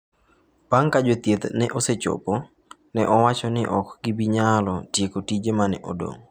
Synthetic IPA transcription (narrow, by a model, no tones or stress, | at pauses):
paŋkad͡ʒot̪jet̪nɛʔoset͡ʃɔ̰pɔ | nɛʔɔwat͡ʃɔnɪʔɔkɡ̥ɪbiɲalɔtjekotid͡ʒemanɛ̰ʔɔdo̰ŋ